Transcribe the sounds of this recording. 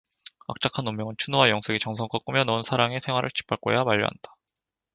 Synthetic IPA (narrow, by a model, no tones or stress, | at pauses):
a̰k̚t͡ɕ͈akʰanomːjʌŋɯnt͡ɕʰunowajʌŋsʰeɡit͡ɕʌŋsʰʌŋk͈ʰʌk͈ɯmjʌnʌunsʰaɾaŋe̞sʰeŋwaɾɯɭt͡ɕi̥p͈ʰaɭk͈ojamaʎːʌ̰ɦa̰nd̥ḁ